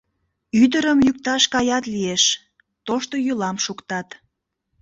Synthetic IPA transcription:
yd̪əɾəmjuk̚t̪ɑʃkɑjɑt̪lieʃ | t̪oʃt̪ojylɑmʃukt̪ɑt̪

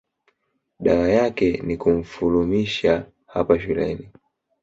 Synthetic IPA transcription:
ɗawajakɛnikum̩fulumiʃa | hapaʃulɛ̰ni

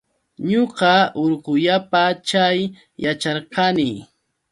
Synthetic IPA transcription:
ɲoqɑʊɾqʊʎapat͡ʃaj | jat͡ʃɑɾqɑnɪ

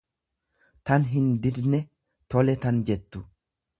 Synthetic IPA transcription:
t̪ɐnɦɪnd̪ɪd̪nɛ | t̪ɔlɛt̪ɐnd͡ʒɛt̪ːʊ

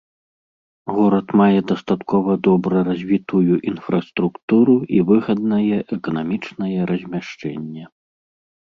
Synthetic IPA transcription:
ɣɔɾɐt̪majɛd̪ɐst̪at̪kʰɔvɐd̪ɔbɾɐɾazʲvʲit̪ujuʔinfɾɐst̪ɾukt̪uɾuivɨɣɐd̪̚nɐjɛʔɛkɐnamʲit͡ʂnɐjɛɾɐzʲmʲaʂt͡ʂɛ̰nʲːɛ

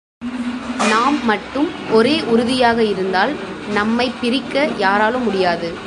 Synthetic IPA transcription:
naːmːɐʈːɯm | ʔɔɾeːʔʊɾʊðɪjaːɣɐɪɾɯnd̪aːl | nɐmːɐɪpːɪɾɪkːɐjaːɾaːlɯmːʊɽɪjaːðɯ

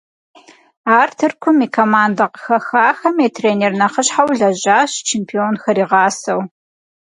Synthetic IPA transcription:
aːrtʰɨrkʷʰʊmiːkʰomaːndɐqəxɐxaːxɐmeːtʰreːneːrnɐχəɕħawɮɐʑaːɕt͡ʃʰeːmpʰionxɐɾiːʁɑːsɐw

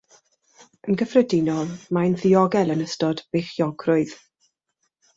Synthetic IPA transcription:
ənɡəfrədɪnɔlˠmanðiɔɡɛlˠənəstɔdb̥eχjɔɡrʊɨð

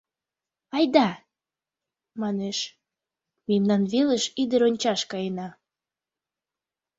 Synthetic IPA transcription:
ɑjd̪ɑ | mɑneʃ | memnɑnβeləʃid̪əɾonʲt͡ɕɑʃkɑjenɑ

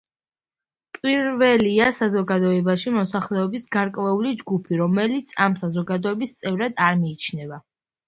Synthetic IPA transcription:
pʼiɾvɛliasazɔɡad̪ɔɛbaʃimɔsaχlɛɔbisɡaɾkʼvɛulid͡ʒɡupʰiɾɔmɛlit̪sʰamsazɔɡad̪ɔɛbist̪sʼɛvɾad̪aɾmiːt͡ʃʰnɛva

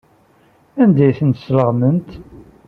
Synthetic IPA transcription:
ænd̪æjθənt̪ə̥sləʁmənt̪

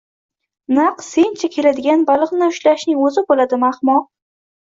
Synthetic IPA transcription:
naqse̞nt͡ʃʰakʲʰe̞lad̪ɪɡʲanbalˠɨqnɪʊʃlaʃnɪŋɵzɪbolad̪ɪmaχmɒ

